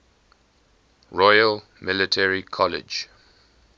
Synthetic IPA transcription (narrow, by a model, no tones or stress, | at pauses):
ɹɔjəl | mɪlɪtʰɛɹikʰɔlɪ̰d͡ʒ